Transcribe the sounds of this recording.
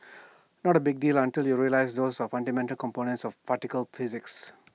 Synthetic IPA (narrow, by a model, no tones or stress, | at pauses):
nɔʈəbɪɡ̚ɖiːlãnʈiljuɾiəlaɪsd̪oːsɔfãnɖimɛ̃nʈəlkɔ̃mpoːnə̃ntsɔfpaʈikəlfizɪks